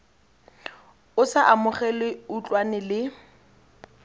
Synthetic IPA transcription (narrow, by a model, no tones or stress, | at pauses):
ʊsaʔamʊχɛlɪut͡ɬʼwanɪlɪ